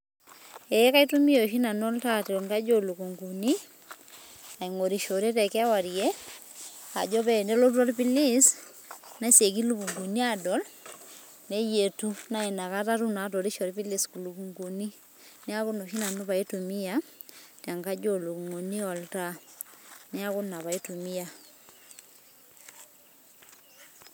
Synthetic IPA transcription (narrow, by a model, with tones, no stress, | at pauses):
e˨˦ka˦i˦tu˦mi˦jɔ˨ʃi˦na˨n˦ɔ˦lta˦to˨ŋka˦d͡ʒo˦˨lu˨ku˨ŋɡu˨ni˦ | a˨i˨ŋo˨ɾi˨ʃo˨ɾe˦tɛ˨kɛ˦a˦wa˨ɾje˦ | a˨d͡ʒɔ˦pɛ˦˨ndɛ˦lo˦uɔ˦lpi˦li˦s | na˦se˨ki˦lu˦ku˨ŋɡu˨ni˦a˦dɔ˨˦l | ne˦je˨tu˦na˦e˨na˨ka˦ta˦ɾu˦na˨to˨ɾi˦ʃo˨ɾpi˦li˨sku˨lu˨ku˨ŋɡu˨ni˦ | ne˦a˦ko˦no˨ʃi˦na˨no˦βa˨i˦tu˨mi˦a˦ta˨ŋɡa˦d͡ʒo˦˨lo˨ku˨ŋo˨ni˦ɔ˨lta˦ | ne˦a˦ɣo˦na˨βa˨i˦tu˨mi˦a˦